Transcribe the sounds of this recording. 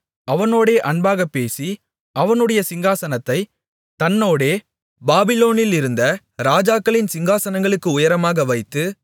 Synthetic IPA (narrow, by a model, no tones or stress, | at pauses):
ɐʋɐnoːɽeːʔɐɳbaːɣɐpːeːsi | ɐʋɐnɯɽɐjɐsɪŋɡaːsɐnɐt̪ːɐɪ | t̪ɐnːoːɽeː | baːbɪloːnɪlɪɾɯnd̪ɐ | ɾaːd͡ʒaːkːɐɭɪnsɪŋɡaːsɐnɐŋɡɐɭɯkːɯʊjɐɾɐmaːɣɐʋɐɪt̪ːɯ